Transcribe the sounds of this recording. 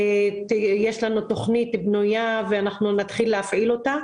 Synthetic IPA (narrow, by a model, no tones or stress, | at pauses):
tjeʃlanut̪o̞χnit̪bnujaveanaχnunat̪χilːeafʕilo̞t̪a